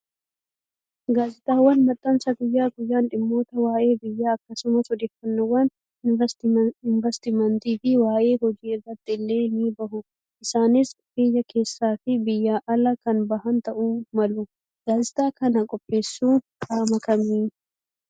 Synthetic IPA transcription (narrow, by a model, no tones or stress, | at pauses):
ɡaːzɪt̪ʼaːwːɐnmɐt̪ʼːɐnsɐɡʊjːaːɡʊjːaːnᶑɪmːo̞ːt̪ɐwaːʔe̞ːbɪjːaːɐkːɐsʊmɐsɔd̪eːfːɐnːɐwːɐn | ɪnt̪ɪnvɐst̪ɪmɐnt̪iːfɪwaːʔe̞ːhɔd͡ʒiːɪrːɐt̪ːɪɪlːe̞ːniːbɐhʊ | ʔɪsaːnɪsfejːɐkʰe̞ːsːaːfɪbɪjːaːʔɐlɐkɐnbɐhɐnt̪ɐʔuːmɐlʊ | ɡ̥aːzɪt̪aːkɐnɐkʼɔpʼːe̞ːsːuː | kʼaːmɐkɐmiːn